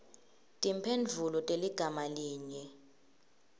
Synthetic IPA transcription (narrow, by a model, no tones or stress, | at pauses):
tʼimpʰend͡ɮʱulɔtʼeliɡ̥ʱamaliːɲɛ